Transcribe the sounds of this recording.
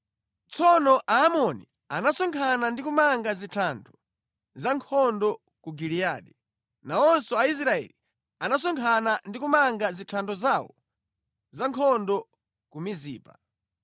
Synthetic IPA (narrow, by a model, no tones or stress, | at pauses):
t͡sɔnɔʔaːmɔni | anasɔŋkʰanandikumaŋɡazitʰandʰɔ | zaŋkʰɔndɔ | kuɡilia̰ːɗi | naɔnsɔais̬ɾaɛ̰li | anas̬ɔŋkʰanandikumaŋɡazitʰandɔzawɔ̰ | zaŋkʰɔndɔ | kumiziːpa